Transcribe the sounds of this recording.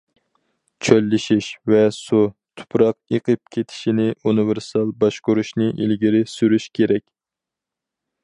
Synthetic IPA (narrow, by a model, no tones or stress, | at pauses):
t͡ʃʰølːɪʃiʃvɛsut̪ʰʊ̥pʰɾɑq̚eqʰɨp̚kʲʰet̪ʰɪ̥ʃinɪʔunɪvɪɾsɑlˠbɑʃqʊɾuʃnɪʔḭlɡʲiɾɪsyɾyʃkʲʰeɾɛkʲ